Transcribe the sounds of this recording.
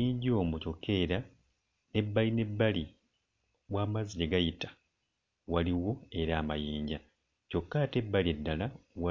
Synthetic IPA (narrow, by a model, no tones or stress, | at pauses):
iːɲɟo̞ːmuco̞kːe̞ːɾa | ne̞bːaline̞bːali | waːmaziɟeɡajitḁ | waliwo̞e̞ɾaːmajiːɲɟa | co̞kːaːte̞bːaliedːalawa